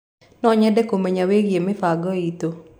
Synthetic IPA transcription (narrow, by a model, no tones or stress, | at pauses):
nɔɲɛdɛkomeɲaweɡjemɪfaɡɔit̪o